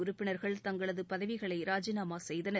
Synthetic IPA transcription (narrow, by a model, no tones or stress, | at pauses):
ʊɾʊpːɪnɐɾɣɐɭt̪ɐŋɡɐɭɐðɯpɐðɐʋɪɣɐɭɐɪɾaːd͡ʒɪnaːmaːsɛjðɐnɐɾ